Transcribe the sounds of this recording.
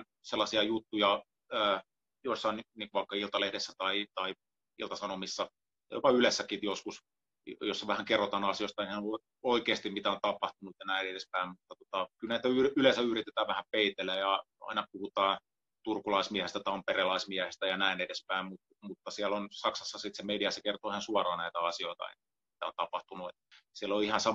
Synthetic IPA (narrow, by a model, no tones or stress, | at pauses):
n | selːɑsiɑjut̪ːujɑ | əː | joisːɑnniːŋkuʋɑˑikːɑilt̪ɑlehdesːæt̪ɑit̪ɑi | ḭlt̪ɑsɑnomisːɑ̰ | jo̰pɑylesːækit̪joskus | josːɑʋæhæŋkerːot̪ɑnɑsiost̪ɑeihæn | oikeːst̪imit̪æont̪ɑpɑht̪unut̪jɑnæinedespæimmut̪ːɑt̪uŏ̥t̪ɑkylnæit̪æyrylesæyrit̪et̪æːʋʋæhæmpeit̪elːˑæjɑ | ɑ̰inɑpuhut̪ɑː | t̪urkulɑismiæhest̪æt̪ɑmpereːlɑismiæhest̪æjɑnæinedespæimmut̪ | mut̪ːɑsiælonsɑksɑsːɑsit̪semediɑsekert̪oːihɑnsuɑrɑːnæit̪æɑsioit̪ɑ̰ḛn | mi̥t̪æ̰o̰nt̪ɑpɑht̪unuet̪siæloihɑnsɑ